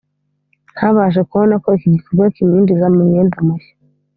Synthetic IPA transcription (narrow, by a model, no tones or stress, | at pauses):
nhaβaʒekuβonakoikiɟikuɡokiɲiːndizamuɲeːndamuʃḁ